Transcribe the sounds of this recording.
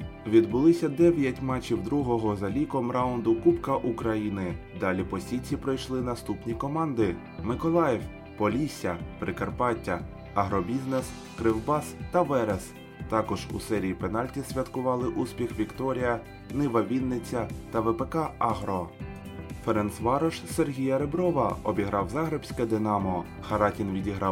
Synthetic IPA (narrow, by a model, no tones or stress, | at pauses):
ʋʲid̪bʊlˠɪsʲɐd̪ɛʋʲjɐtʲmɑt͡ʃʲːiwd̪ɾuɦɔɦɔzɐlʲikɔmɾɑwʊnd̪ʊkupkɐʔukɾɐjinɪ | d̪ɑlʲipɔsʲit͡sʲipɾɔjʃlˠɪnɐst̪upnʲikɔmɑnd̪ɪ | mɪkɔlˠɑjɛw | pɔlʲisʲɐpɾɪkɐrpɑtʲːɐ | ɐɦɾɔbʲiznes | kɾɪwbɑst̪ɐʋɛɾɛs | t̪ɑkɔʒṵsɛɾʲijipen̪ɑlʲtʲisʲʋʲɐt̪kʊʋɑlˠɪʔuspʲixʋʲikt̪ɔɾʲijɐ | nɪʋɐʋʲinːɪt͡sʲːɐt̪ɐʋepekɑɑɦɾɔ | feɾɛnsʋɑɾɔʃserɦʲijɐɾebɾɔʋɐɔbʲiɦɾɑwzɑɦɾebsʲkɛd̪ɪnɑmɔ | xɐɾɑtʲinʋʲidʲiɦɾɑ